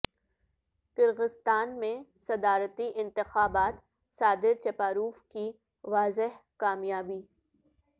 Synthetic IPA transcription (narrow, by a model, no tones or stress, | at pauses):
kɪɾɣɪst̪aːnmẽsɐd̪aːɾət̪iʔɪ̃nt̪ɪxaːbaːt̪ | saːd̪ɪɾt͡ʃɐpaːɾuːfki | ʋaːzɪɦkaːmjaːbiː